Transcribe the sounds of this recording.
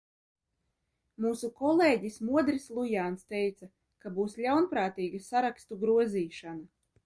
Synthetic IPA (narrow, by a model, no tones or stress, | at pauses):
muːsukɔlˠeːɟismuɔd̪ɾislˠujaːnst̪ejt̪sa | kabuːslʲawnpɾaːt̪iːɡasaɾakst̪uɡɾuɔziːʃana